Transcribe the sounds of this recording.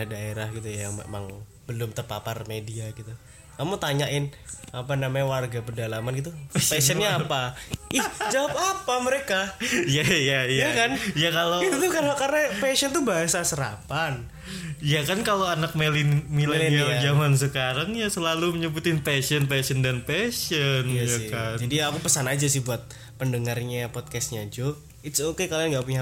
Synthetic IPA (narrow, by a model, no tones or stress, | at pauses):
adaeɾahɡit̪ujajaŋmḛma̰ŋ | b̥əlʊmt̪ərpa̰pa̰rmediaɡit̪u | kamut̪aɲaʔɪnapanamaɲawarɡapədalamanɡit̪upesənɲaːpaʔɛhd͡ʒawap̚apaməɾekajajajaakanjakaloit̪ukaakarnapesənt̪ubaɦasasəɾa̰pan | jakankaloanak̚melɪnmilaaad͡ʒamans̬əkaɾaŋjasəlaluməɲəbut̪ɪnpɛsənpɛsəndanpɛʃənjjakand͡ʒadiakupəsanad͡ʒasɪhbuat̪̚ | pəndəŋarɲapɔt̪̚kɛst̪̚ɲa̰d͡ʒo | ɪt̪sokekaloaŋɡapuɲa